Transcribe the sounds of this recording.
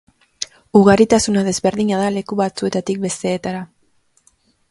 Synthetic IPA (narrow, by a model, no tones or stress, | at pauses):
uɣ̞aɾit̪asunað̞e̞zβe̞ɾðiɲaðale̞kuβat͡sue̞t̪at̪ik̚be̞st̪e̞ːt̪aɾa